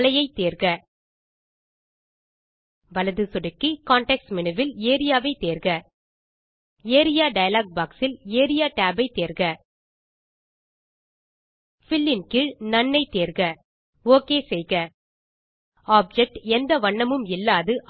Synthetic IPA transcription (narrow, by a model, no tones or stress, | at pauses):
lɐjɐɪt̪ːeːɾɣɐ | ʋɐlɐðɯsɔɽɯkːikaːɳʈɛksmɪnɯʋɪleːɾɪjaːʋɐɪt̪eːɾɣɐ | eːɾɪjaːɖɐjɐlaːk̚baːksɪleːɾɪjaːʈaːbɐɪt̪eːɾɣɐ | fɪlːɪnkɪnɐɳːɐɪt̪eːɾɣɐ | oːkeːsɛjɣɐ | aːp̚d͡ʒɛk̚ʈɛnd̪ɐʋɐɳːɐmɯmɪlːaːðɯʔ